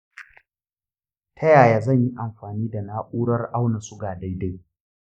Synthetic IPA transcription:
tʰɐ˦jaː˨jaː˨zɐ˦˨ɲji˦ʔa˨mɸaː˨niː˦da˨naː˦ʔʼuː˦ɽɐ˦rʔa˦wna˨sʊ˦ɡaː˨da˦jda˦

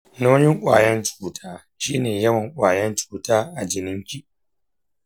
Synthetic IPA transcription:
noː˦jɪ˦ŋkʷʼa̰ː˨jɐ˦nt͡ʃuː˨tʰaː˦ | ʃiː˦neː˨jɐ˦wɐ˨ŋkʷʼaː˨jɐ˦nt͡ʃu̥ː˨taː˦ʔa˨d͡ʒɪ˨nɪ˦ŋkʲi˨ʔ

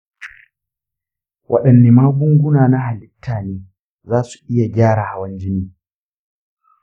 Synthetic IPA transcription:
wʔɐ̰˦ɗɐ˨nːe˨maː˦ɡʊ˦ŋɡʷʊ˦naː˨na˦ɦa˨lɪ˦tːaː˨neː˦ | zaː˦su̥˨ʔɪ˦ja˨ɡʲaː˦ɽa˨ha˨wɐ˦nd͡ʒɪ˦niː˦

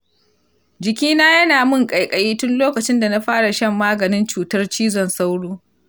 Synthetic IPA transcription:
d͡ʒɪ˨kʲiː˦naː˦jɐ˦naː˨mʊ˦˨ŋkʼɐ˨jkʼɐ˨jiː˦tʊ˦nloː˦kɐ˨t͡ʃɪ˦nda˨na˦ɸaː˦ɽa˨ʃɐ˦mːaː˦ɡɐ˨nɪ˦nt͡ʃuː˨tɐ˦rt͡ʃiː˦zɔ˨nsa˦wɽuː˦

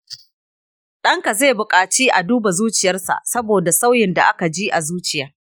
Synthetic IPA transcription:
ɗɐ˦ŋka˨ze˦˨bʊ˨kʼaː˨t͡ʃiː˦ʔa˨duː˦ba˨zuː˦t͡ʃɪ˨jɐ˦rsa̰˨ʔsɐ˦boː˨da˨sa˦wjɪ˨nda˨ʔa˦ka˨d͡ʒi˦ʔa˨zuː˦t͡ʃɪ˨jɐ˦r

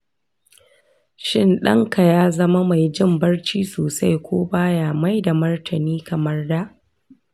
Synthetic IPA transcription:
ʃɪ˦nɗɐ̰˦ŋka˨jaː˦zɐ˦ma˦ma˨jd͡ʒɪ˦mbɐ˦rt͡ʃiː˦soː˨sa˦jkʷoː˦baː˦jaː˨ma˦jda˨mɐ˦rtʰɐ˨niː˦kɐ˨mɐ˦rda˦ʔ

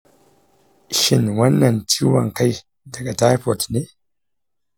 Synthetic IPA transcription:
ʃi˨nwa˦nːa˨ntʰi˦wa̰˨ŋ˨ka˦j | da˨ɡa˨ta˦po˨tne˦

